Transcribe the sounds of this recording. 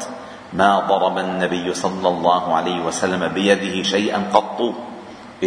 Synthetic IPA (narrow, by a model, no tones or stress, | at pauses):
maːd̪ˤɑɾˤɑbanːabɪjːʊsˤɑlːɑlˤːɑːhʊʕa̰lajhɪwasalːamabɪjad̪ɪhɪʃajʔa̰nqɑt̪ˤːuː | ʔɪ